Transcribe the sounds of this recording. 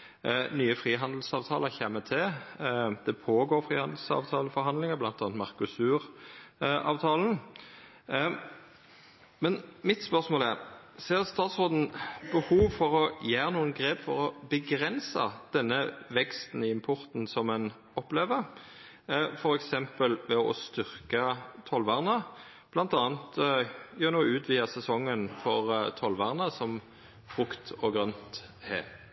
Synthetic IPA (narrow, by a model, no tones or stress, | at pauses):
nyːəfʁiːɦɑnd̪l̩sɑːʋt̪ʰɑːləçɛmːət̪ʰɪ | d̪̥ɛpʰoːɡoːɾfʁiːhɑnd̪l̩sɑ̰ːʋt̪ʰɑːləfɔɾɦɑnd̪lɪŋəblɑnt̪ɑːnt̪mɑʁkʉsʉːʁ | ʔɑ̰ːʋt̪ʰɑːln̩ | mɛnmɪt̪spœʁsmoːlæʁ | seːʁst̪ɑːt̪sʁoːd̪n̩bəhuːʋfɔʁɔjæːɾənuːənɡʁeːpfɔɾɔbəɡɾɛnsɑ̰d̪̥ɛnːəʋɛkst̪n̩ɪɪmpʰɔɾt̪n̩sɔmɛn | ɔpleːʋəɾ | fɔɾɛksɛmpəlʋɛɔ̰st̪ʏʁkət̪ʰɔlʋɑːʁnə | b̥lɑnt̪ɑːnt̪jøːnuːʉːt̪ʰʋiːɑsɛsɔŋːənfɔʁt̪ʰɔlʋɑːʁnəsɔm | fʁʉkt̪ɔɡʁœnt̪ | hḛː